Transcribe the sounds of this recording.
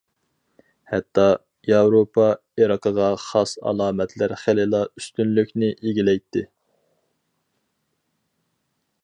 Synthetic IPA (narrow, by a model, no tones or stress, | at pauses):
hɛt̪ʰːɑ | jɑwɾopʰɑ | iɾɑqʰəʁɑχɑsɑ̰lˠɑːmɛt̪ʰlæɾχelɪlˠɑyst̪ynlykʲnɪʔeɡʲilɛjt̪ʰːɪ